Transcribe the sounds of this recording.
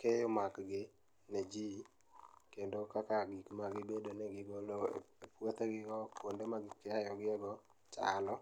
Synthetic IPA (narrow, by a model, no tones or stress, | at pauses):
kejomakɡɪ | ned͡ʒi | kendokakaɡikmaɡɪbedonɛɡɪɡolo̰epwot̪ɛɡɪɡɔkondemaɡɪkɛajɔɡɪɛɡɔ | t͡ʃa̰lɔ